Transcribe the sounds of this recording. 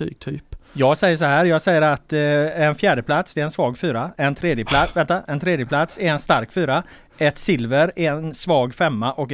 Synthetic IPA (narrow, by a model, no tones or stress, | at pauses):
y̰ːɡ̚t̪ʰyːpjɑːɡsɛjːəʂ̬ɔɦæːɾjɑːɡsɛjːəɾat̪ɛnfjæːɖəpʰlat̪sd̪ɛɛɛnsvɑːɡfyːɾaɛnt̪ʰɾeːd̪jəpʰlavɛnt̪aʔɛnt̪ʰɾeːd̪jəpʰlat̪sɛɛnst̪aɾkfyːɾa | ʔɛt̪sɪlvəɾæɛnsvɑːɡfɛmːaʔɔk